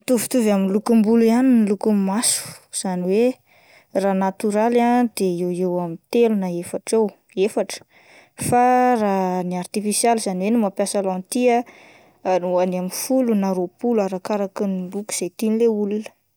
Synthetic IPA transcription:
t̪uvit̪uvaminlukumbulianinilukumasu̥z̥aniwe | ranat̪uɾalad̪eewewamint̪elunaefaʈ͡ʂew | efaʈ͡ʂə̥ | faraniart̪ifisjalizaniwenimapjasalant̪ia | anuanamifulunaɾopulaɾakaɾakiniluku̥z̥ajt̪inileulunə̥

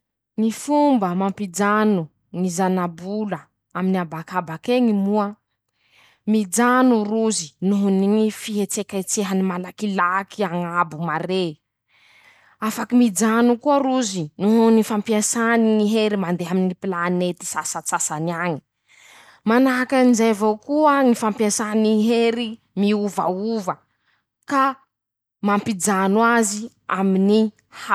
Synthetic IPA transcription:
nifumbəmampid͡ʒanu | nizanabulə | aminiabakabakeŋimuə | mid͡ʒanuruzinuɦuniŋifiɦet͡sekat͡seɦanimalakilakiaŋabumaɾe | afakimid͡zanukuəɾuzinuɦunifampiasaniŋiɦeɾimand̪eɦaminipilanet̪i̥sasat͡sasanaɲi̥ | manaakanizajvokuəŋifampiasaniɦeɾi | miuva̰uvə | ka | mampid͡zanwazi | amini | ha

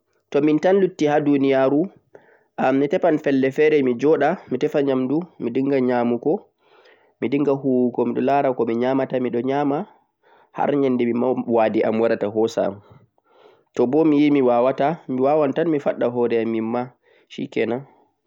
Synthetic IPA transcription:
tɔmintanlutːihadunijaɾu | ʔamnitɛpanfɛlːɛfɛɾɛmid͡ʒɔɗamitɛfaɲamdumidiŋɡaɲamukɔ | midiŋɡahuwukɔmiɗɔlaɾakɔmiɲamatamiɗɔɲaːma | ha̰ɾɲandɛmimawaːdiʔamwaɾataɦɔsa̰m | tɔbɔmijimiwawatamiwawantanmifa̰ɗːaɦɔːɾɛamːimːa | ʃḭkɛna

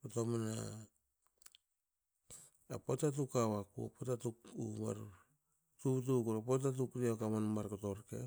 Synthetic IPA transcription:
kotomana̰ | potat̬ukawakṵa̰potatukuma̰ɾ | tut̬ukuɾapot̬atukɾiakamanmaɾkotoɾkḛ

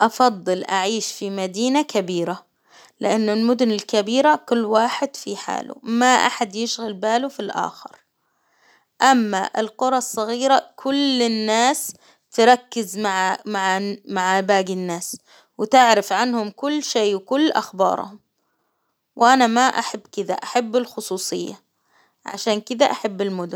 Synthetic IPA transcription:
ʔɑfɑd̪ˤːɨlʔaʕiːʃfimad̪iːnakabiːɾa | lɪʔanːʊlmʊd̪ʊnɪlkabiːɾakʊlːwaːħɪd̪̥fiħa̰ːlṵmaʔa̰ħad̪jɪʃɣalbaːlufilʔa̰ːxɪ̰ɾ | ʔamːa̰ʔɪ̰lqʊɾˤɑsˤːɑɣiːɾakʰʊlɪnːaːs | t̪ɪɾˤɑkːɪzmaʕmaʕmaʕabaːɡɪnːaːs | wɪt̪ɪʕɾɪfʕanhʊmkʊlːʃeːwɪkʊlːʔa̰xbɑ̰ːɾ̰ˤhʊm | wʔanamaʔaħabːkɪd̪a̰ʔaħabːɪlxʊsˤuːsˤɨjːa | ʕa̰ʃaːnkɪd̪aʔaħabːɪlmʊd̪ʊn

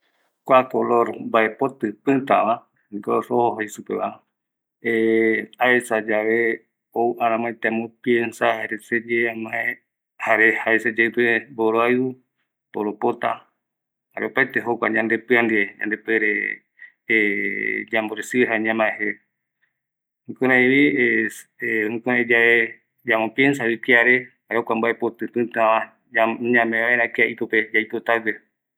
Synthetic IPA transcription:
kʷakoloɾbaepot̪ɨpɨ̃nt̪aβa | ɡoɾohoɦoisupeβa | eaesad͡ʒaʋe | owʔaɾãmãet̪ẽmõpiensahaɾesed͡ʒeamãe | haɾehaesed͡ʒepeboɾoau | boɾopot̪a | haɾeopaet̪eɦokʷaɲãnd̪epɨand̪ieɲa̰nd̪epeɾe | d͡ʒamboɾesieɦaɲãmãeɦe | hĩkõɾãĩβi | ĩkõɾãẽd͡ʒae | d͡ʒamõpjensaβikiaɾehaɾeokʷambaʔepot̪ɨt̪ɨ̃nt̪aã | ɲãmẽaeɾakeaʔit̪oped͡ʒajt̪ot̪aɡe

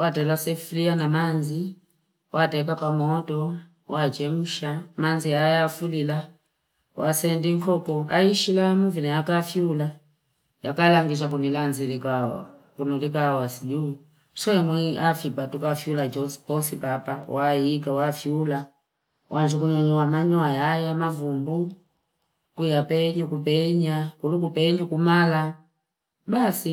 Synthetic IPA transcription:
watɛlasɛflianamanzi | wʔatɛkapamɔtɔ | wat͡ʃɛmuʃamanziajafulila | wʔasɛndiŋkʰɔkɔaiʃilamuvinajakafjula | jakalaŋɡiʃ̬akunilanzilika̰ | kunɔlikawasini | swɛmwiafipatukafjulad͡ʒɔspɔsipapawajikawafiula | wʔand͡ʒukuɲɔɲɔwamaɲwajajamavumbu | kujapɛɲukupɛɲakulukupɛɲakumala | basi

